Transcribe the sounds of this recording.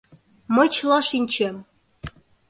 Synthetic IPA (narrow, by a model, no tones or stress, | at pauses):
mə̆t͡ɕlɑʃinʲt͡ɕem